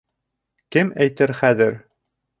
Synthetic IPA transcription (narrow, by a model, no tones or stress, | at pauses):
kɘmæjt̪ɘɾχæðɘɾ